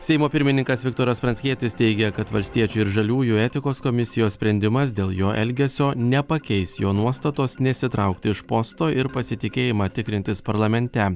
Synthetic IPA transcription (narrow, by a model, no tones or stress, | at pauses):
sʲɛɪmoːpʲɪɾʲmʲɪnʲɪŋkɐsʋʲɪkt̪oːɾɐspɾɐnʲsʲkʲiɛt̪ʲɪst̪ʲɛɪɡʲɛkɐt̪ʋɐlʲsʲt̪ʲiɛt͡ʃʲʊɪɾʒɐlʲuːjʊɛt̪ʲɪkoːskomʲɪsʲɪjoːssʲpʲɾʲɛnʲd̪ʲɪmɐs̬d̪ʲeːlˠjoːʔɛlʲɡʲɛsʲoːnʲɛpɐkʲɛɪsjoːnuɔst̪ɐt̪oːsnʲɛsʲɪt̪ɾɐˑʊkt̪ʲɪɪʃpost̪oːʔɪɾpɐsʲɪt̪ʲɪkʲeːjɪmɑːt̪ʲɪkɾʲɪnʲt̪ʲɪspɐɾlˠɐmʲɛnʲt̪ʲɛ